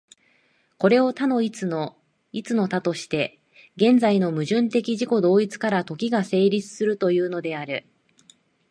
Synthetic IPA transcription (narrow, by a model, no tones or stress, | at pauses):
ko̞ɾe̞o̞t̪ano̞it͡sno | it͡sɨno̞t̪at̪o̞ɕi̥t̪e̞ | ɡẽ̞nd͡zaino̞mɯ̟ʑɨ̃nt̪e̞kʲiʑiko̞d̪o̞ːit͡sɨ̥kaɾat̪o̞kʲiɡase̞ːɾʲit͡sɨ̥sɨɾɯ̟t̪o̞jɯ̟ːno̞d̪e̞aɾɯ̟